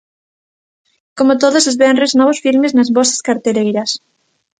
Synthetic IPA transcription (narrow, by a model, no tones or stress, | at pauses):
komot̪oðosezβɛnreznɔβ̞osfilmeznɐzβɔsɐ̥skaɾt̪elejɾɐs